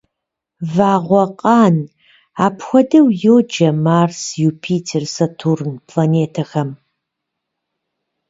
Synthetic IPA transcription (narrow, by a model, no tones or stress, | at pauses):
vaːʁʷɔqʼɑːn | aːpʰxʷɔdɐwjoːd͡ʒɐmaːrsjuːpʰiːtʰersɐtʰurnpʰlaːneːtʰɐxɐm